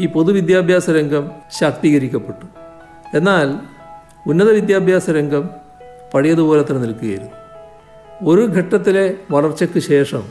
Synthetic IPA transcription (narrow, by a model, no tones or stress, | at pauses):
iːpo̞ðuʋid̪jaːbʱjaːsɐɾeŋɡɐmɕɐkt̪iːɣɐɾikʲːɐpːe̞ʈːu̥ | e̞nːaːl | unːɐðɐʋid̪jaːbʱjaːsɐɾeŋɡɐm | pɐɻijɐðuboːleɐt̪ːrɐnilkuɣɐjɐ̰ɾu | o̞ɾuɡʱɐʈːɐt̪ːile̞ʋɐrɐrt͡ɕːɐkːɨɕe̞ːʂɐm